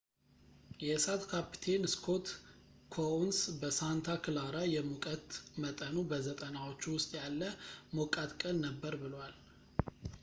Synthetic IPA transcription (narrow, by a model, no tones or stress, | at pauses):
jɛsat̪kʰapi̥t̪ʰe̞nɨskʰo̞t̪ | kʰounsbəsant̪ʰakʰɨlaɾajɛmukʼət̪mət̪ʼənubəzət̪ʼənawo̞t͡ʃːuwʊst̪ʼjalːəmokʼat̪kʼənːəbːəɾbɨlwal